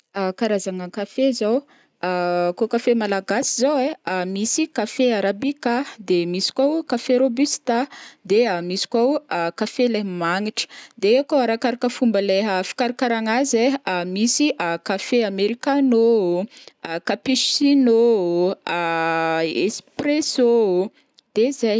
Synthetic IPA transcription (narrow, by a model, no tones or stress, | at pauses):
kaɾazaŋəkafezaw | kokafemalaɡasizowemisikafeaɾabikad̪emisi̥kawkafeɾobyst̪ad̪eamisi̥kawkafelemaŋiʈ͡ʂə̥d̪eekoaɾakaɾakəfumbəleɦəfi̥kaɾakaɾaŋazeamisiʔkafeameɾikano | kapiʃino | ḛspreso | d̪̥ezej